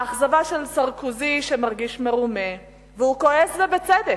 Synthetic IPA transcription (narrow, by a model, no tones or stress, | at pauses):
aχzavaʃelsaʁkuziʃemaʁɡiʃmeʁume | veukoeszebet͡sed̪e